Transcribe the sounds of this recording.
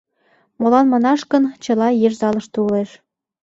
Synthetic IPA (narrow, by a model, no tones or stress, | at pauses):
molɑnmɑnɑʃkə̆nt͡ɕɤ̆lɑjeʒzɑlə̆ʃt̪uuleʃ